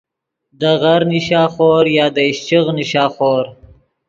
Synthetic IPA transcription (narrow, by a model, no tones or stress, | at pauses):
d̪əɣaɾnɪʃɑːxoːɾjɑːd̪əɪʃt͡ʃiɣnɪʃɑːxoːɾ